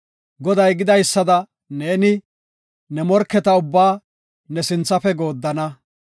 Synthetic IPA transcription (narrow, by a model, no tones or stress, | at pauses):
ɡɔd̪ɐjɡɪd̪ɐjsːɐd̪ɐ | ne̞ːnɪ | nɛmɔɾkːɛt̪ɐʊbːaː | nɛsɪnt͡sːɐfɛɡo̞ːd̪ːɐnɐ